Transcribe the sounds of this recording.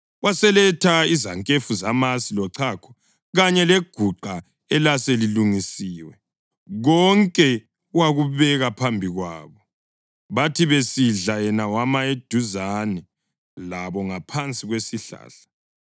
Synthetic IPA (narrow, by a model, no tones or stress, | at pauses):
wasɛlɛtʰaizaŋkʼefuzamasilɔǀʰakʰɔ̥ | ɣaɲɛleɡ̥ʱuǃa | ɛlaseliluŋisiːwɛ | ɣɔŋkʼɛ | waɣuβɛɣapʰambʱiɣwa̰ːβɔ | βatʰiβesiɮajɛnawamaed̥ʱuzanɛ | laβɔŋapʰant͡sʼiɣwesiɬa̰ːɬḁ